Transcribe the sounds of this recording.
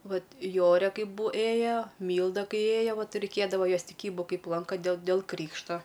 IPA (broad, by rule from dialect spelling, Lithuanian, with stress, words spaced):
ˈʋɐt ˈjoːrʲeː ˈkɐɪp bʊ ˈeːjoː ˈmʲiːlˠdɐ ˈkɐɪ ˈeːjoː ˈʋɐt rʲɛɪˈkʲeːdɐʋoː ˈjoːs tʲɪˈkʲiːbʊ ˈkɐɪp ˈlˠɐŋkɐ dʲeːlˠ dʲeːlˠ ˈkrʲiːkʃtoː